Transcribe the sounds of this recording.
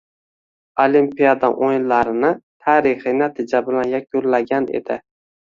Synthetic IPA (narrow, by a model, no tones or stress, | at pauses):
olimpijad̪aʔojnlaɾɪnɪt̪ʰaːɾɪχɪnat̪ʰɪd͡ʒabɪlanjakʰʲʊllaɡʲanḛd̪̥ɪ